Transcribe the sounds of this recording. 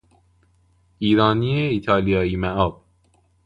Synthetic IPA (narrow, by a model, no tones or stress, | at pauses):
iːɾɒːnieiːt̪ʰɒːlijɒːiːmæʔɒːb̥̚